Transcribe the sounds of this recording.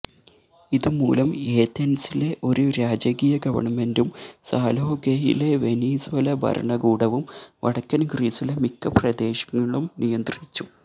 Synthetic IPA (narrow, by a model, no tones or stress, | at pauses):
iðumṵːlɐme̞ːt̪ɐnɐsile̞ʔo̞ɾuɾaːd͡ʑɐɣijɐɡɐʋɐ̰ɳɐme̞ndumsaːlɦoɡejḭle̞ʋe̞niːsʋɐlɐbʱɐ̰ɾʔɐ̰ɳɐɡuːɽɐʋumʋɐ̰ɽɐkːɐnɡriːsilemikːɐprɐd̪e̞ːɕɐ̥ŋːɐɭumnijɐnd̪rit͡ɕːu